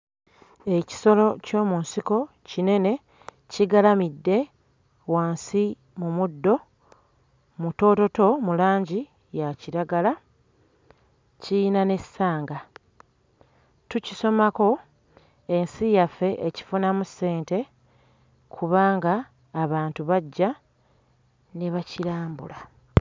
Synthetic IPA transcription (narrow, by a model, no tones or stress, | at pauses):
e̞ci̥so̞lo̞co̞ːmunsiko̞ | cine̞ne̞ | ciɡalamidːe̞ | waːnsi | mumudːo̞ | muto̞ːto̞to̞mulaːɲɟi | jaciɾaɡala | cijinane̞sːaːŋɡa | tuciso̞mako̞ | e̞nsijafːe̞ʔeci̥funamusːe̞ːnte̞ | kʰuβaːŋɡaː | βaːntuβaɟːa | neβaciɾaːmbṵla